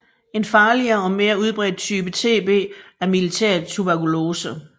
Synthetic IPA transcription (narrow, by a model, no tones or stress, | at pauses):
e̝nfɑ̈ːliɐːɒ̽me̝ːɐuð̞ˠb̥ʁɛd̥̚t͡sʰyːb̥ət͡sʰe̝̰ːb̥e̝̰ːæɐmilit͡sʰḛɐd̥t͡sʰubæɐkʰulo̝ːsə